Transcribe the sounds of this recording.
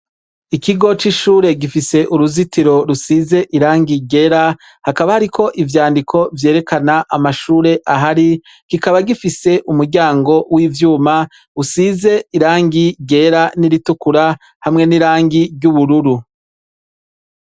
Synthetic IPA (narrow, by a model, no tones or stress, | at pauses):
ikiɡo̞t͡ʃiʃuːɾe̞ɡifise̞ʔuɾuzitiɾo̞ɾusize̞ʔiɾaːŋɡiɟe̞ːɾa | hakaβahaɾikʰo̞ʔivjaːndikʰo̞vje̞ːɾe̞kanaʔamaʃuːɾe̞ʔaɦaɾi | ɡ̥ikaβaɡifise̞ʔumuɾɟaːŋɡo̞wiːvjuːma | usize̞iɾaːŋɡiɟe̞ːɾaniɾitukuɾa | hamŋe̞niɾaːŋɡiɾɟuβuɾuɾu